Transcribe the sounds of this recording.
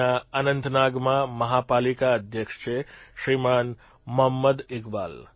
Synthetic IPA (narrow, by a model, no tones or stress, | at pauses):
aanənt̪ʰnaɡmãməɦapalikaəd̪ʱjəkʂt͡ʃʰeʃɾiman | məɦəmːəd̪ɪkba̰l